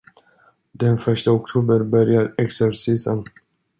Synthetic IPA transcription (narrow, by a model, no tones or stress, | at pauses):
d̪ɛnfœʂʈəɔkt̪ʰuːbəɾbœɾjaɾɛksɛɾsiːsən